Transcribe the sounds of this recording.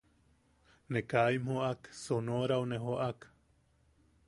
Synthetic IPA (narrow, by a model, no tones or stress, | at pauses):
nekajmhoʔaksonoɾawneɦoʔak